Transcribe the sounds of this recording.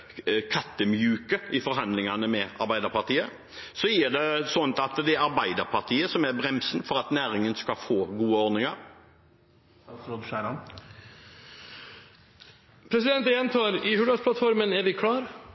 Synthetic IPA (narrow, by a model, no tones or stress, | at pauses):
kʰɑt̪ːəmjʉːkəɪfɔɾɦɑnd̪lɪŋɑnəmɛɑ̰ɾbæɪd̪əɾpɑt̪iːə | sɔjiːd̪ɛsɔnt̪ɑt̪d̪ɛæɾɑɾbæɪd̪əɾpʰɑɾt̪ʰiːəsɔmæɾbɾɛmsənfɔɾɑt̪næːɾɪŋənskɑfoːɡuːəɔɾnɪŋɑɾ | ɾɔd̪ʃæɪlɑn | pʰɾɛsɪd̪ɛnt̪ɛnt̪ʰoːɾɪhʉɖ̪ɑsplɑt̪fɔɾmənɛɾʋɪkʰɽɑːɾ